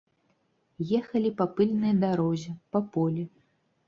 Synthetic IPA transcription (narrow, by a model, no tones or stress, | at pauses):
jɛxɐlʲipɐpɨlʲnɨjd̪aɾɔzʲɛpɐpɔlʲi